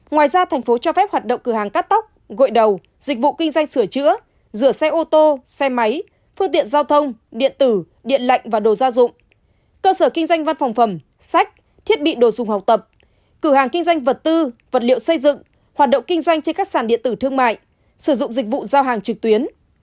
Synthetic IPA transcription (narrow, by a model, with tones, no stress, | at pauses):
ŋwaː˨˩jzaː˧t̪ʰɛ˨˩jŋ̟fo˨˦t͡ɕɔ˧fɛ˦˥p̚hwaː˨˩t̚ɗə̰˧˨ŋ͡mkɨ˧˩ɦaː˨˩ŋkaː˦˥t̚t̪a˦˥k͡p̚ɣo̰˧˨jɗə˨˩w | zi˨˩k̟̚vṵ˧˨ki˧ŋ̟zwa˧jŋ̟sɨ˧˩ət͡ɕɨ̰˧˥ə | zɨ˧˩əsɛ˧ʔo˧t̪o˧sɛ˧ma˨˦j | fɨ˧əŋt̪ḭ˧˨ənzaː˧wt̪ʰə˧wŋ͡mɗḭ˧˨ənt̪ɨ˧˩ | ɗḭ˧˨ənla̰˧˨jŋ̟vaː˨˩ɗo˨˩zaː˧zʊ̰˧˨ŋ͡m | kəː˧səː˧˩kï˧ŋzwa˧jŋ̟va˧nfɔ˨˩wŋ͡mfə˧˩m | sa˦˥jk̟̚ | t̪ʰi˦˥ət̚ɓḭ˧˨ɗo˨˩zʊ˨˩ŋ͡mha˨˩k͡p̚t̪ə˨˩p̚ | kɨ˧˩haː˨˩ŋkï˧ŋ̟zwa˧jŋ̟və˨˩t̚t̪ɨ˧və˨˩t̚lḭ˧˨əwsə˧jzɨ̰˧˨ŋ | hwaː˨˩t̚ɗə̰˧˨ŋ͡mkï˧ŋ̟zwa˧jŋt͡ɕe˧nkaː˦˥k̚saː˧˩nɗḭ˧˨ənt̪ɨ˧˩t̪ʰɨ˧əŋma̰ː˧˨j | sɨ˧˩zʊ̰˧˨ŋ͡mzï˨˩k̟̚vṵ˧˨zaː˧wɦaː˨˩ŋt͡ɕɨ˨˩k̚t̪wi˨˦ən